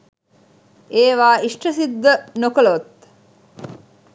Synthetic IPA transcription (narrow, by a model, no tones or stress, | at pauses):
eːʋaːiʂʈəsid̪ːənokəlot̪